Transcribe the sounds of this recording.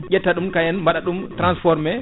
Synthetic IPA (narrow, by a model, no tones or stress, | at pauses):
ɟʲɛtːaɗumkajɛnmbaɗaɗumtɾansfɔɾmɛ